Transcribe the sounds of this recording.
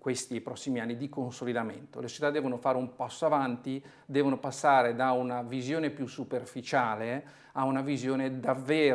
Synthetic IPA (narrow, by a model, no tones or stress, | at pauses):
kwest̪ipɾɔsːimianːid̪ikonsolid̪amḛnt̪olesot͡ʃe̥t̪ad̪ɛːvonofaːɾeumpasːoavant̪i | d̪ɛːvonopasːaːɾed̪aunavizjoːnepjusːuperfit͡ʃaːle | aunavizjoːned̪avːeː